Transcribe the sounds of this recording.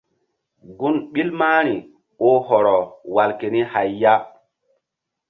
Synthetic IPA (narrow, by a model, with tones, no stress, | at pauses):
ɡu˦nɓi˦lmaː˦ɾ̃i˨ | o˦ɦɔ˨ɾɔ˨wa˨lke˨ni˦ha˨jːa˦